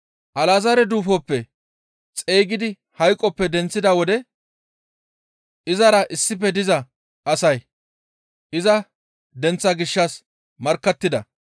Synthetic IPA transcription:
ʔɐlaːzɐɾɛd̪uːfɔpːɛ | t͡sʼeːɡɪd̪ɪ | hɐjkʼːɔpːɛd̪ɛnt͡sːɪd̪ɐwɔd̪ɛ | ʔɪzɐɾɐʔɪsːɪp̬ːɛd̪ɪzɐ | ʔɐsɐj | ʔɪzɐ | d̪ɛnt͡sːɐɡɪʃːɐs | mɐɾkːɐt̪ːɪd̪ɐ

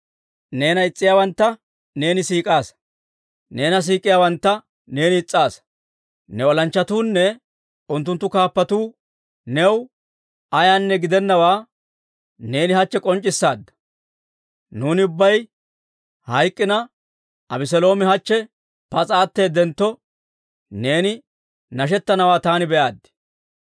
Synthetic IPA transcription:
ne̞ːnɐɪt͡sʼːɪjaːwɐnt̪ːɐ | ne̞ːnɪsiːkʼaːs | ne̞ːnɐs̬iːkʼːɪjaːwɐnt̪ːɐ | ne̞ːnɪːt͡sʼːaːs | nɛwɔlɐnt͡ʃːɐt̪uːnːɛ | ʊnt̪ːʊnt̪ːʊkaːpːɐt̪uː | nɛw | ɐjaːnːɛɡɪd̪ɛnːɐwaː | ne̞ːnɪhɐt͡ʃːɛkʼɔnt͡ʃʼːɪsːaːd̪ːɐ̥ | nuːnɪʊbːɐj | hɐjkʼːɪnɐ | ɐbɪs̬ɔlo̞ːmɛhɐt͡ʃːɛ | pɐt͡sʼaːt̪ːeːd̪ɛnt̪ːɔ | ne̞ːnɪ | nɐʃ̬ɛt̪ːɐnɐwaːt̪aːnɪbɛʔaːd̪ːɪ̥

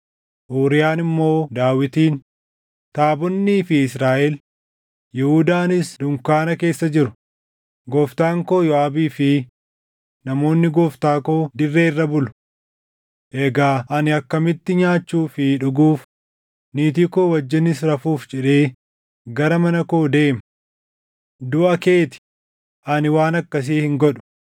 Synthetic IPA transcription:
ʔoːɾɪjaːnɪmːo̞ːd̪aːwɪt̪iːn | t̪aːbɔnːiːfɪɪsɾaːʔɛl | jɛhuːd̪aːnɪsd̪ʊŋkaːnɐke̞ːsːɐd͡ʒɪɾʊ | ɡɔːft̪aːŋko̞ːjɔaːbiːfɪ | nɐmo̞ːnːɪɡoːft̪aːko̞ːd̪ɪrːe̞ːɪrːɐbʊlʊ̥ | ʔeːɡaːʔɐnɪɐkːɐmɪt̪ːɪɲaːt͡ʃːuːfɪᶑʊɡuːf | niːt̪iːko̞ːwɐd͡ʒːɪnɪs̬ɾɐfuːfd͡ʒɛᶑe̞ː | ɡɐɾɐmɐnɐkoːd̪e̞ːmɐ | d̪ʊʔɐke̞ːt̪ɪ̥ | ʔɐnɪwaːnɐkːɐs̬iːhɪŋɡɔᶑʊ̥

